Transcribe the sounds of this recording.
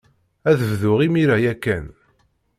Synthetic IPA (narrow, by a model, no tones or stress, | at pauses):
æðəvðʊʁimiɾæjækːæn